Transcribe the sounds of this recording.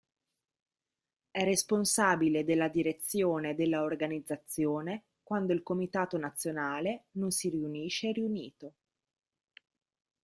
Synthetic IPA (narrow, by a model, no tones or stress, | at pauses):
ɛrːesponsaːbiled̪elːad̪iɾet̪sːjoːned̪elːaorɡanid̪zːat̪sːjoːne | kwand̪oilkomit̪aːt̪onat̪sːjonaːlenonsiriuniːʃːeɾiuniːt̪o